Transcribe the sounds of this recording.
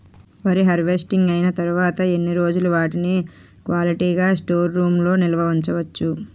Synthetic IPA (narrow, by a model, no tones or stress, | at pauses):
ʋɐɾiɦɐɾʋe̞sʈiŋɡɐjnɐt̪ɐɾuʋaːt̪ɐe̞nːiɾo̞ːd͡ʒuluʋaːʈini | kʋaːliʈiːɡaːsʈo̞ːɾːuːmlo̞ːnilɐʋɐuɲt͡ʃɐʋɐt͡ʃːu